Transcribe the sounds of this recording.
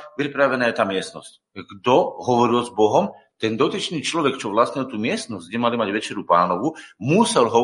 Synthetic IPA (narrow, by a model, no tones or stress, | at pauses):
pɾipɾaʋɛnaːjɛt̪aːmɪɛst̪nɔ̰sc | ɡd̪ɔɦɔʋɔɾilzbɔɦɔm | t̪ɛnd̪ɔt̪it͡ʃniːt͡ʃlɔʋɛkt͡ʃɔʋlasɲɛlt̪uːmɪɛst̪nɔzɟɡɟɛmalimaɟʋɛt͡ʃɛɾupaːnɔʋumusɛlɦɔ